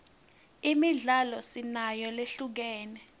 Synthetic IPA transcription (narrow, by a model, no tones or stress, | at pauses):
imiɮalɔsinajɔleɬuk̬ɛːnɛ